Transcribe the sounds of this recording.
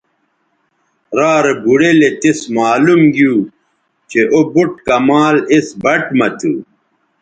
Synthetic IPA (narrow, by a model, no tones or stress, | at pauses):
ɾaːɾebuɽelet̪ismaːlumɡjuː | t͡ɕeʔobuʈ̚kɐmaːlisbɐʈmɐt̪ʰṵ